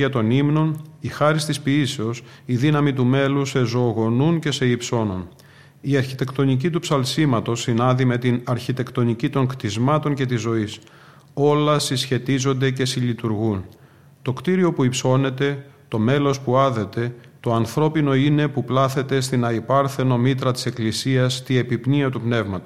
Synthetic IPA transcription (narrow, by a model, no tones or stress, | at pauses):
ɐt̪o̞nimno̞nixɐɾist̪ispiiseo̞s | iðinɐmit̪ume̞luse̞zo̞ːɣo̞nunce̞se̞ipso̞no̞̰n | iɐɾçit̪e̞kt̪o̞nicit̪upsɐlsimɐt̪o̞sːinɐnðime̞t̪inɐɾçit̪e̞kt̪o̞nicit̪o̞ŋkt̪izmɐt̪o̞nce̞t̪izo̞is | o̞lɐsisçe̞t̪izo̞nd̪e̞ce̞siʎit̪uɾɣun | t̪o̞kt̪iɾio̞puipso̞ne̞t̪e̞t̪o̞me̞lo̞spuɐðe̞t̪e̞ | t̪o̞ɐnθɾo̞pino̞ine̞puplɐθe̞t̪e̞st̪inɐipɐɾθe̞no̞mit̪ɾɐt̪i̥se̞klisiɐst̪ie̞pipniɐt̪upne̞vmɐt̪o̥